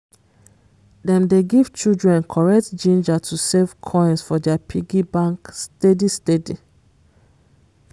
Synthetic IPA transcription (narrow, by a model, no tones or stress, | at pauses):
dɛ̃mdeɡiv̥t͡ʃudɹɛ̃nkʰɔɹɛk̚td͡ʒĩnd͡ʒatʰusev̥kʰɔ̃ɪ̃nsfɔdɛapʰiɡibãŋkstedistedi